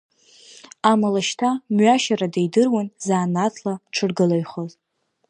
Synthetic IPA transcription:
amalaʃtʰamɥaʃaɾadejdɨrwanzaːnat͡sʰlaʈ͡ʂʰɨrɡɨlaɥχoz

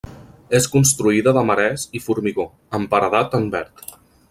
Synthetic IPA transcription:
eskunst̪ɾuiðəðəməɾɛsifuɾmiɣo | əmpəɾəðat̪əmbɛ̰ɾt̪

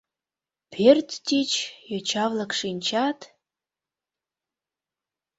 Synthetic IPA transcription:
pʰertʰtʰit͡ʃʰjot͡ʃʰavlakʂint͡ʃʰatʰʼ

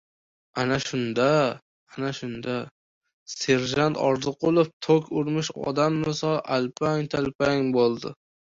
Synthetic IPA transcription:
anaʃʊnd̪aː | naʃʊnd̪a | se̞ɾʒant̪ʰɒɾzɨq̚olˠɪp̚t̪ʰokʲʰʊɾmɪʃɒ̰d̪amːɪsɒlˠʔalpʰaŋt̪ʰalpaŋbolˠd̪ɪ

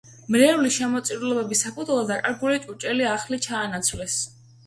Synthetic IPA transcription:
mɾɛuliʃɛmɔt̪sʼiɾulɔbɛbisapʰut̪ʰwlˠɔd̪akʼaɾɡulit͡ʃʼut͡ʃʼɛliaχlit͡ʃʰaːnat̪sʰvlɛs

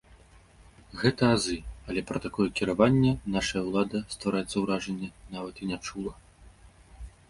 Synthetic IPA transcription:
ɣɛt̪ɐazɨɐlʲɛpɾɐt̪akɔjɛkʲiɾavanʲːɛnaʂɐjɐwlˠad̪ɐst̪vaɾajɛt̪sɐwɾaʐɐnʲːɛnavɐt̪inʲat͡ʂulˠɐ

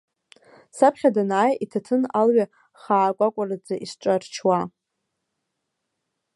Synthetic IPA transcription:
sapʰχʲadanaːjitʰatʰɨnalɥa | χaːkʷʼakʷʼarad͡zaʔiʂʈ͡ʂʷʼart͡ʃʰwa

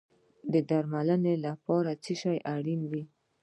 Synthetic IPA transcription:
d̪əd̪aɾmalənelapɑɾat͡siʃɑjʔaɽinwi

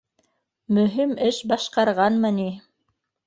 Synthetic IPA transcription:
mɵ̆ɦimɘʃbɑʃqɑɾʁɑnmɤni

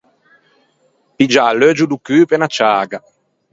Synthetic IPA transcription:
pid͡ʒalød͡ʒud̪ukyːpenat͡ʃaːɡa

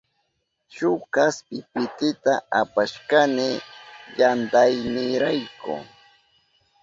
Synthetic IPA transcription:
ʃʊkaspɪpɪt̪ɪt̪aʔapaʃkanɪjant̪ajmɪɾajkʊ̰

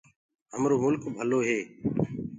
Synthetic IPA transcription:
ɦəmɾoːmʊlkbʱəloːɦeː

